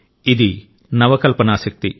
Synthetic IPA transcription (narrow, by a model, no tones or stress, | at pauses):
id̪i | nɐʋɐkɐlpɐnaːsɐk̚t̪i